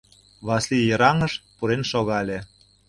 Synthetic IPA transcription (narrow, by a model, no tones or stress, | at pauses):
βɑslijəɾɑŋəʃpuɾenʃoɣɑlʲe